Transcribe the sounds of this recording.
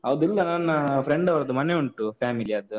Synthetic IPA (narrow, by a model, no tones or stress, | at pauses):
ɐʋd̪ilːɐnɐnːɐpɾeɳɖɐʋɐɾɐd̪umɐneuɳʈupaːmiliɐd̪u